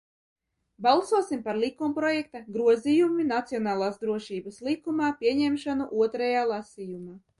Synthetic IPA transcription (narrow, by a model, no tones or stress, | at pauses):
balˠsuɔsimpaɾlˠikumpɾɔjɛk̚t̪aɡɾuɔzijuminat̪siɔnaːlˠaːsd̪ɾuɔʃiːbaslˠikumaːpʲiɛɲɛmʃanuʔuɔt̪ɾajaːlˠasijumaː